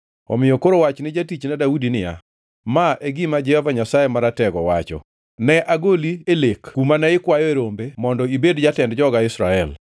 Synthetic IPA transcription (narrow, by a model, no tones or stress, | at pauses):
ɔ̰mɪjɔkoɾowat͡ʃnɪd͡ʒatit͡ʃnɛdaudinɪja̰ | maʔeɡɪmad͡ʒɛhɔvaɲasajemaɾatɛɡɔwat͡ʃɔ̰ | nɛʔaɡolielekkumanɛɪkwajɔeɾombemɔndɔibedd͡ʒatɛndd͡ʒɔɡaɪsɾaɛl